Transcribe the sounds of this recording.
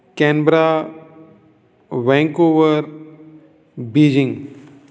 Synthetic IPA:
kɛ̃ːnbɾa | ʋɛ̃ːŋkoːʋəɾ | biːd͡ʒɪ̃ŋɡ

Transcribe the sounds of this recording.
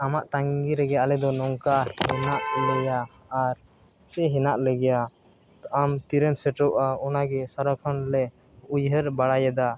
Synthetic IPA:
amaʔt̪aŋɡiɾɛɡɛjaʔlɛd̪ɔnɔŋkahɛnaʔlɛjaː | ɾ | sɛɦɛnaʔlɛɡɛja | amt̪iɾɛnsɛʈɔʔaɔnaɡɛsaɾakʰɔnlɛ | ujɦəɾbaɽajɛd̪a

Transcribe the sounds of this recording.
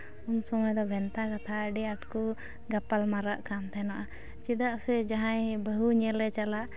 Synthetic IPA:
unsɔmajd̪ɔbʱɛnt̪akat̪ʰaəɖiaʈku | ɡapalmaɾaʔkamt̪ʰajnaʔa | t͡ʃid̪aʔsɛd͡ʒaɦãjbəɦuɲɛlɛt͡ʃalaʔ

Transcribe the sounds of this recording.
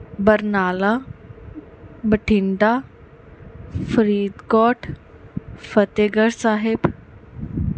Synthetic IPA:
bəɾnaːla | bəʈʰiɳɖa | fəɾiːd̪kɔːʈʰ | fət̪eɡəɾsaːɦeb

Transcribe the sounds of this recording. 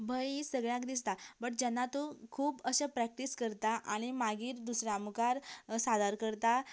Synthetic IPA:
bʱəjisəɡɭjãkd̪is̬t̪abəʈ̚d͡ʑɛnːat̪okʰuːbəɕəpɾæk̚ʈiskəɾt̪aʔaɽ̃imaɡiːɾd̪usɾãmukaɾsad̪aɾkəɾt̪a

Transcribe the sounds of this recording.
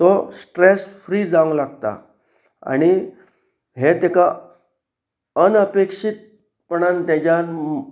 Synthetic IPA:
t̪ɔsʈɾesfɾiːd͡zãɡlaɡt̪a̰ | a̰ɽ̃i | ɦet̪eka | ənəpekʂit̪̚ | pəɳ̃ant̪at͡ɕja

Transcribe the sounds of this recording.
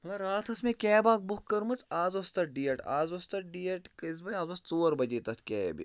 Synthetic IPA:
ɦɐlɐɾaːt̪ʰɐsmẽkʲɛːbaːk̚bʊkɐɾmɐt͡saːzɐst̪ɐʈ̚ɖijɐʈa̰ːzʋɐst̪ɐʈɖiːɐʈkɐzbɐaːzɐst͡soːɾbɐd͡ʒet̪ɐt̪ʰkʲɛːbḭ

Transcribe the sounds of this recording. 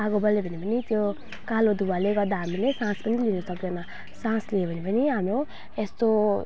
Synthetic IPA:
aɡobʌlebʱʌnipʌnit̪jo | kalod̪uwaleɡʌɾd̪aɦamilesãspʌnilinʌsʌkd̪enʌ | sãsleebʱʌnipʌniɦamɾo | est̪o

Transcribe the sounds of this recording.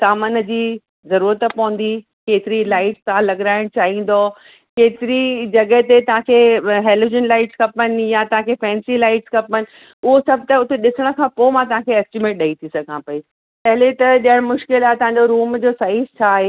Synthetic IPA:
saːmənd͡ʑiː | zɐɾuːɾət̪pɐʊ̃n̆d̪i | keːt̪ɪɾilaːɪʈst̪ɐʋ̤ãlɐɠɾaːɪɽ̃t͡ɕaːɦĩːn̆d̪o | keːt̪ɪɾid͡ʑɐɡəɦt̪et̪ɐʋ̤ãkʰeɦeːloːd͡ʑənlaːɪʈskɐpənɪ̆jat̪ɐʋãkʰefɛ̃ːnsilaːɪʈskɐpənɪ̆ | ʊɦosɐb̚ʱt̪ɐʊt̪eɗɪsəɽ̃ə̆kʰãːpomãt̪ɐʋ̤ãkʰeɐsʈɪmeːʈ̚ɗɐit̪ʰisɐɡʱãpɐi | t̪ɐɦɪlet̪ɐɗiəɽ̃mʊʃkɪlat̪ɐɦãɲd͡ʑoɾuːmd͡ʑoːsaɦist͡ɕʰaːɦe

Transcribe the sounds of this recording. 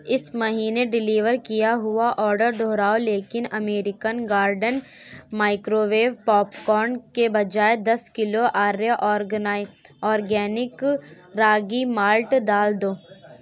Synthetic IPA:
ɪsmɐɦiːneɖɪliːʋəɾkijaɦʊaʔɔːɾɖəɾd̪ʱoːɾaːoleːkɪnɐmeːɾɪkənɡaːɾɖən | maːɪkɾoʋeːʋpɔːpkɔːɾnkebɐd͡ʒaːed̪ɐskɪloʔaːɾeʔɔːɾɡnaɔːɾɡɛːnɪk | ɾaːɡimaːlʈd̪aːld̪oː

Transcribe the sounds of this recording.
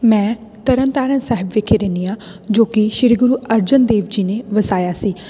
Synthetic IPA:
mɛ̃ː | t̪əɾənt̪aːɾənsɛːɦəbʋeːkʰeːɾẽːniːãː | d͡ʒoːkɪʃɪɾiɡʊɾuːəɾd͡ʒənd̪eːʋd͡ʒiːneːʋəsaːjaːsiː

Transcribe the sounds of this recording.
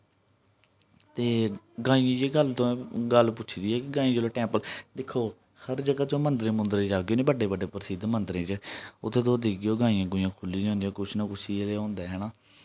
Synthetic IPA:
t̪eː | ɡãːĩːãːd͡ʒeːɡəlt̪õːɡəlpʊtːt͡ʃʰid̪iːɛːkɪɡãːĩːd͡ʒoːloːʈɛ̃ːmpəld̪ɪkʰːoː | həɾd͡ʒəɡaːt͡ʃõːmənd̪ɾẽːmʊnd̪ɾẽːd͡ʒaːɡejoːnẽːbəɖeːbəɖeːpəɾəsiːd̪mənd̪ɾẽːt͡ʃəʊt̪ʰːẽːt̪õːd̪iːɡeoːɡãːĩjãːɡʊjãːkʰʊlːiːõnd̪jãːkʊt͡ʃʰnakʊsʰiːeleːõːnd̪eːɦɛːnaː

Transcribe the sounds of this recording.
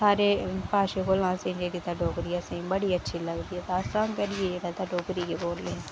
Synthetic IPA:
saːɾepaːʃekolãːsẽd͡ʒeːɾit̪aɖoːkɾijasẽbɐɽiɐtːʃʰilɐɡɾiɛt̪aːsãːnkɐɾied͡ʒeːɽat̪aɖoːkɾikeboːlːẽ

